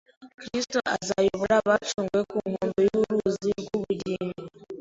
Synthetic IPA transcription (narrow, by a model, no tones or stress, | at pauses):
kɾistoʔazajoβulaβat͡ʃuːŋɡwekuŋoːmbojuɾuziɡuβudimi